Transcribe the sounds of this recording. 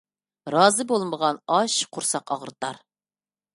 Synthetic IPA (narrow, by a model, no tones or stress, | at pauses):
ɾɑːzɨbolˠməʁɑnɑʃqʰʊɾsɑqɑʁəɾt̪ɑɾ